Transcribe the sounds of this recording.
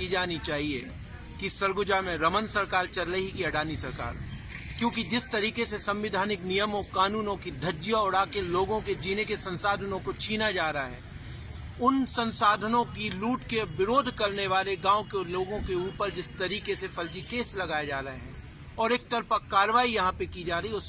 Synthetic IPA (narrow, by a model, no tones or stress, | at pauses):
id͡ʒaːnit͡ʃaːɦiḛ | kisɐɾɡʊd͡ʒamẽɾɐmənsɐɾkaːɾt͡ʃɐɾləɦikiɐɖaːnisɐɾka̰ːɾ | kjõːkid͡ʒɪst̪ɐɾiːkesesɐ̃mʋɪd̪ʱaːnɪknijəmõkaːnuːnõkid̪ʱɐd͡ʒijaʊɽaːkeloːɡõked͡ʒiːnekesɐ̃nsaːd̪ʱənõkot͡ʃʰiːnad͡ʒaːɾɐaɦɛ̰ː | ʊnsɐ̃nsaːd̪ʱənõkiluːʈkebɪɾoːd̪ʱkɐɾneʋaːleɡãːõkeloːɡõkeuːpəɾd͡ʒɪst̪ɐɾiːkesefʰɐld͡ʒikeːslɐɡaːed͡ʒaːɾɐɦeɦɛ̃ː | ɔːɾeːk̚t̪ɐɾpakaːɾʋaːijɐɦãpekid͡ʒaːɾɐɦiʊs